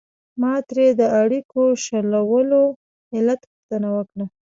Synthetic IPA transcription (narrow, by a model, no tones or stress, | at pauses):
mɑt̪ɾed̪əaɽikoʃalawəlo | ɪlat̪puxt̪ənawəkɽa